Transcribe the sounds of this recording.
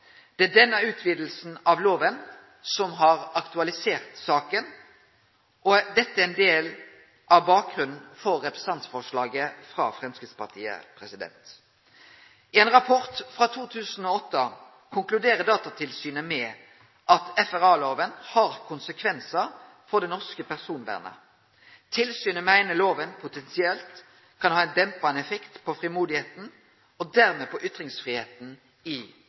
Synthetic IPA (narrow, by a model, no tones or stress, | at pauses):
d̪̥ɛædɛnːæʉːt̪ʰʋiːd̪l̩sn̩ɑʋloːʋən | sɔmɦɑɾɑkt̪ʉɑlɪseːʁt̪sɑːkən | ʔɔd̪ɛt̪ːəæɛnd̪eːl | ʔæbɑːk̚ɡʁʉnn̩fɔɾːɛpɾə̥sɑnt̪sfɔʁʂlɑːɡəfʁɑ̰ːfɾʁɑmskɪt̪spɑʁt̪ʰḭːə̰pʰɾɛsɪd̪ɛ̰nt̪ | ɪɛːnʁɑpʰɔʁt̪fʁɑt̪ʰuːt̪ʰʉːsn̩ɔːɔt̪ːə | kʰʊŋklʉd̪eːʁəd̪ɑːt̪ɑt̪ʰɪlsyːnəmɛ | ʔɑt̪ɛfæʁɑːloːʋənhɑʁkʰʊnsəkʰʋɛnsə | fɔʁd̪ɛnɔʁskəpæʁsuːnʋæ̰ːʁnə̰ | t̪ʰɪlsyːnəmæɪnəloːʋənpʰʊt̪ʰɛnsɪɛlt̪ | kʰɑnhɑːɛɪnd̪ɛmpɑnɛfɛkt̪pʰɔfʁɪmuːd̪ɪheːt̪n̩ | ɔd̪æʁmɛpʰɔʔʏt̪ʁɪŋsfʁiːheːt̪n̩ | ɪ